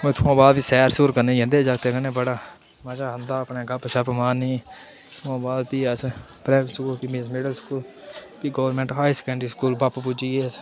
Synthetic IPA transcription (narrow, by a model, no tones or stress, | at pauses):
mẽt̪ʰuãːbaːd̪biːsɛːɾsuːɾkənẽːd͡ʒẽnd̪eːd͡ʒaɡ̚t̪eɡəneːbəɽaː | mad͡ʒaːɦənd̪aːəpneːɡəpʃəpmaːniː | t̪ʰuãːbaːd̪piːəspɾɛːskuːpimeːsmɪɖəlskuːl | piːɡoːʋəɾmẽːɳʈɦaːiskə̃ɳɖɾiːskuːlbappud͡ʒiːeːəs